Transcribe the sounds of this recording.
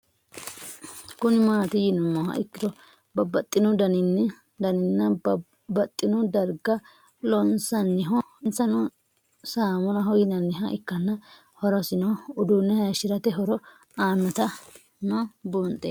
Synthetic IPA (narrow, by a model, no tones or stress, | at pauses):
kʊnɪmaːt̪ɪjɪnɔmːɐhɐ̰ʔɪkːɪd̪ɔ | bɐbɐt̪ʼːɪnɔd̪ɐnɪnːɛ | d̪ɐnɪnːɐ | bɐt̪ʼːɪnɔd̪ɐɾɡɐ | lɔnsɐnːɪɦɔnsɐnɔ | saːmɔnɐɦɔjɪnɐnːɪɦɐʔɪkːɐnːɐ | hɔɾɔsɪnɔʊd̪ʊnːɛhɐʃɪɾɐt̪ɛɦɔɾɔ | aːnːɔt̪ɐ | nɔbʊnt̪ʼe